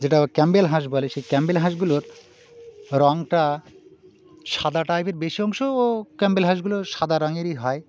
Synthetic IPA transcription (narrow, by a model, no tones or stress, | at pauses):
d͡ʑeʈakɛmbelɦãʃ̬boleʃejkɛmbelɦãʃɡuloɾ | ɾɔŋʈa | ʃad̪aʈajpeɾbeʃiɔŋʃoːkɛmbelɦaʃ̬ɡuloɾʃad̪aɾɔŋeɾiɦɔe